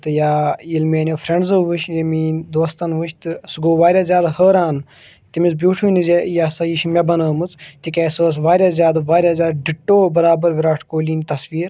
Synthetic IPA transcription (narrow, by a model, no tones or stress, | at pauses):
t̪ɨjaːilmeːnʲefʰɾeɳɖzəːʋuʃjemiːnd̪oːst̪ɐnʋuʃt̪ɨsɨɡoːʋaːɾʲjaːzʲjaːd̪həːɾaːn | t̪imisbʲjuːʈʰuːnizejaːsɐjiʃmʲebɐnəːmɨt͡st̪ikʲeːsəːs̬ʋaːɾʲaːzʲjaːd̪ʋaːɾʲjaːzʲjaːd̪ɖiʈːoːbɐɾaːbɐɾʋiɾaːʈʰkoːliːnt̪ɐsʋiːɾ